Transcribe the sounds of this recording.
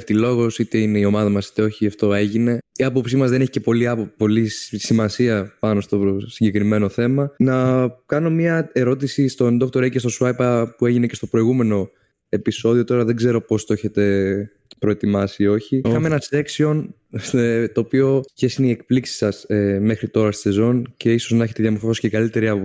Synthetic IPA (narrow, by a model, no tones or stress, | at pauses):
ft̪ilo̞ɣo̞sit̪e̞ine̞io̞mɐðɐmɐsi̥t̪eo̞çiɐft̪o̞e̞ʝine̞iɐpo̞psimɐzðe̞ne̞çi̥ce̞po̞liɐpopo̞lissimɐsiɐpɐno̞st̪o̞siɲɟe̞kɾime̞noθe̞mɐnɐkɐno̞mɐe̞ɾo̞t̪isist̪o̞nd̪o̞kt̪o̞ɾecest̪o̞suɐjpɐpue̞ʝine̞ce̞st̪opɾo̞iɣume̞no̞ | e̞piso̞ðio̞t̪o̞ɾɐðe̞ɡze̞ɾo̞po̞st̪oeçe̞t̪e̞ | pɾo̞e̞t̪imɐsio̞çiixɐmeenɐse̞ksio̞n | st̪o̞ːpio̞çesineiek̚pliksi̥sɐseme̞xɾit̪o̞ɾɐst̪i̥sezo̞nce̞iso̞znɐeçe̞t̪eðjɐmoɾfofosicekɐlit̪e̞ɾiɐ